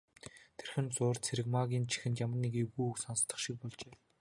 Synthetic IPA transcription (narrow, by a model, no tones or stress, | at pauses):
t̪ʰerxɘ̆nt͡sʊːrt͡sʰeɾɘ̆kmaɣʲiːnt͡ɕʰi̥xɘ̆nt̪jamə̆rnikewɣuːuksɔnst̪ə̆χʃik̚pɔɮt͡ɕeː